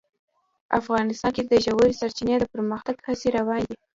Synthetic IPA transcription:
ʔafɣɑnɪst̪ɑnked̪əʒawəɾisaɾt͡ʃined̪əpəɾməxt̪aɡhaseɾawɑnd̪i

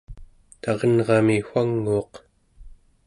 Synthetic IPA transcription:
t̪ɑʁʌnʁɑmixwaŋːuːq

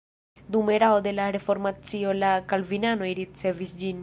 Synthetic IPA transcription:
d̪umeɾaod̪elaɾefoɾmat͡siolakalvinanoiɾit̪sevisd͡ʒin

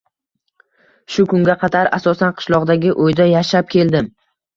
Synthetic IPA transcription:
ʃʊkʰʊŋɡʲaqʰɑd̪aɾasɒsanqʰɨ̥ʃlˠɒʁd̪aɡʲɪʔojd̪ajaʃap̚kʲʰe̞ld̪ɪm

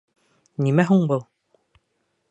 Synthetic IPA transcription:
nimæɦuɴbɤlˠ

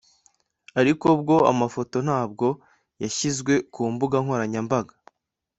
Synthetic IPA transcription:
aɾiko̞bɡo̞a̰mafo̞to̞n̥aːb̚ɡo̞ | jaçizɡwe̞kuːmbuɡaŋhwoɾaɲambaɡa

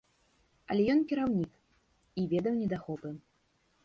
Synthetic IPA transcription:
ɐ̰lʲɛjɔnkʲiɾawnʲik | ivʲɛd̪ɐwnʲɛd̪axɔpɨ

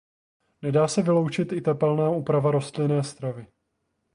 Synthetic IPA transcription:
nɛdaːsɛvɪlo̞wt͡ʃɪt̪ɪt̪ɛpɛlnaːʔuːpɾavaɾo̞st̪lɪnɛːst̪ɾavɪ

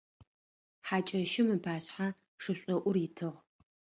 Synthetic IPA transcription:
ħaːt͡ʃʼɐʃɪmɨpʰaːɕħa | ʂɨɕʷʼɔʔʷʊrɪtʰɨʁ

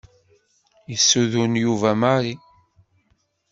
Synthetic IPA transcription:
jəsːuðunjuvæmaɾi

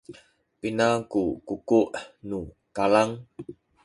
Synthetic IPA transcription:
pinakukukuʔnu | kalaŋ

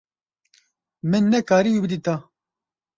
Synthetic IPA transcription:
mɨnːɛkaːɾiwibɨd̪it̪a

